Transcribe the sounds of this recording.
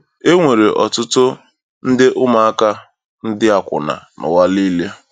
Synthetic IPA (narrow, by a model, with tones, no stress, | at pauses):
e˦ŋʷe˨ɾe˨ʔɔ˨tʊ˦tʊ˦ | n̩˦dɪ˦ʔʊ˦ma˨a˦ka˦ | n̩˦dɪ˦a˨kʷʊ̰˨na̰˨nʊ̰˨wa˦li˦le˦